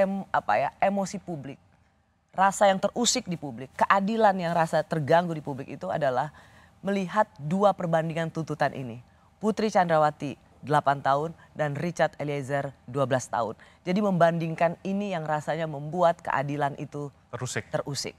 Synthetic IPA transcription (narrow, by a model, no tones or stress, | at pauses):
apa̰jaemosipublɪk̚ | rasajaŋt̪ərʔusɪk̚dipublɪkːəʔadilanjaŋɾasat̪ərɡaŋɡudipublɪkit̪ua̰dalah | məliɦat̪̚duapərbandiŋant̪unt̪ut̪anʔḭni | put̪ɾit͡ʃandɾawat̪i | dəlapant̪aʊn | danrit͡ʃart̪eliezərduabəlast̪a̰ʊ̰n | d͡ʒadiməmbandiŋkaninijaŋrasaɲaməmbuat̪̚kə̰ʔa̰dilanʔit̪u | usɪk̚t̪ərusɪ̰k̚